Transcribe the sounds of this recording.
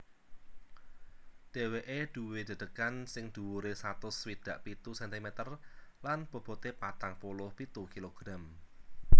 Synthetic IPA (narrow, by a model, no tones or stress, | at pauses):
d̪̥e̤weʔed̪̥ṳwed̪̥ə̤d̪̥əkansɪŋd̪̥uwuɾesat̪ʊswid̪̥ä̤ʔpit̪usɛnt̪imet̪ərlanb̥o̤b̥ɔ̤t̪epat̪aŋpolʊhpit̪ukiloɡ̥ɾam